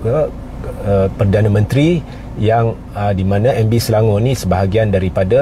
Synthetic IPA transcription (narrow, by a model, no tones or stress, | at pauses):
ə | pərdanə̃mə̃nt̪ɾi | jaŋ | ədimãnãɛmbisəlaŋonĩsəbaɦaɡiandaɾipada